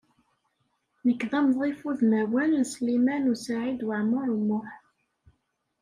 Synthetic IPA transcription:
nəkːðɑmðˤifuðmæwænslimænusaʕid̪waʕmʊɾˤmːʊħ

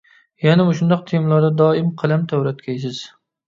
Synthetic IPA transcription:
janɪmʊʃʊnd̪ɒq̚t̪ʰemlˠɒd̪ad̪ɒɪmqʰɨlˠamt̪ʰawɾat̪kʲʰajsɪz̥

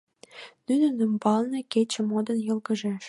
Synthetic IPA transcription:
nynə̆nəmbɑlnɤ̆ket͡ɕĕmod̪ə̆njɤ̆lɡə̆ʒeʃ

